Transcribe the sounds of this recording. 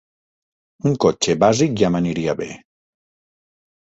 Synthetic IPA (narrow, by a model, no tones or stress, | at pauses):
uŋkot͡ʃebazik̚ʒamaniɾiaβe